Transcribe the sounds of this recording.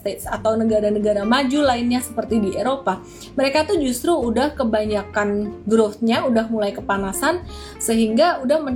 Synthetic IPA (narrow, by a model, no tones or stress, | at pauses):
t̪et̪sat̪awnəɡaɾanəɡaɾamad͡ʒulaɪnɲasəpərt̪idiʔeɾopa | məɾekait̪ud͡ʒust̪ɾuːdahkəbaɲakanɡɾʊt̪̚ɲaudahmulajkəpanasan | səɦiŋɡaudahmə